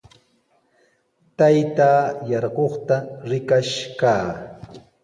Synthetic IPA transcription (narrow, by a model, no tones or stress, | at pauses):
t̪ajt̪aːjɑɾɢoχt̪aɾɪkaʃkaː